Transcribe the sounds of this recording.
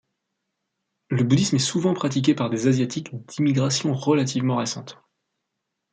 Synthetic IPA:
ləbud̪ismɛsuvɑ̃pχat̪̬ik̬ʲepaʁd̪ezazjat̪ʰikd̪imiɡʁasjɔ̃ʁəlat̪ʰivmɑ̃ʁesɑ̃t̪

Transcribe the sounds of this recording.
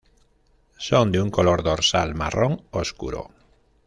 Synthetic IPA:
sond̪euŋkoloɾðoɾsalma̰rõŋoskṵɾo̰

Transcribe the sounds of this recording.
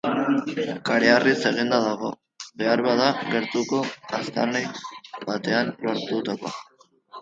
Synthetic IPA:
kaɾeariselend̪aðaɣ̞o̞̰ | be̞aɾβaðaɣe̞ɾt̪uko̞ast̪a̰rnejbat̪e̞anlo̞ɾt̪ut̪ako̞̰a

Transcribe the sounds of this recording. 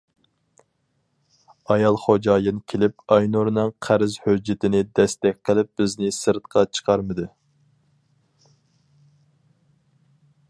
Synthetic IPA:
ɑjɑlˠχod͡ʒɑːjɨnkʲʰelɪp̚ɑjnuɾnɨŋqʰæɾɪzhød͡ʒːɪt̪ʰɪnɪd̪ɛst̪ɛk̚ʲqʰəlˠɪp̚b̥ɪznɪsɨɾt̪qʰɑt͡ʃʰə̥qʰɑɾmɨd̪ɨ

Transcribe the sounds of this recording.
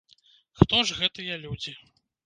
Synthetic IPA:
xt̪ɔʐɣɛt̪ɨjɐlʲud͡zʲi

